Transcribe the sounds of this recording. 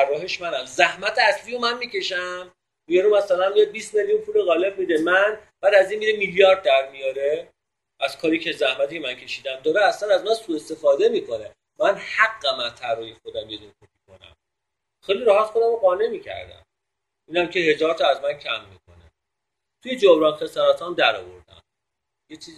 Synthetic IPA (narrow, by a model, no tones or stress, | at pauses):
t̪ʰærːɒːɦeʃmænæmzæhmæt̪ʰeæslijomænmiːce̞ʃæm | mijeɾumæsælænmiebiːst̪me̞ljunpʰuːleɣɒːle̞bmiːd̪emænb̥æːd̪æziːnmiːɾemiljɒːɾd̪̚ːæɾmijɒːɾe | ʔæz̥kʰɒːɾicʰezæhmæt̪iːcʰemæncʰe̞ʃiːd̪æmd̪ɒːɾeæslænæznɒsuːe̞st̪e̞fɒːd̪e̞miːkʰo̞ne̞ | mænhæɡːæmænt̪ʰæɾɒːjixo̞d̪æmjed̪unkʰopʰiko̞næ̰m | xe̞jliɾæɦæt̪xod̪æmoɢɒːne̞miːcʰæ̰ɾd̪æ̰m | iːnæmcʰe̞he̞zɒːɾt̪ʰɒæzmæncʰæmːiːkʰo̞̰nḛ | t̪ʰuje̞d͡ʒobɾɒːnxesæɾɒːt̪ʰɒnd̪æɾɒ̰ːvo̞̰ɾd̪æ̰m | jet͡ʃʰiː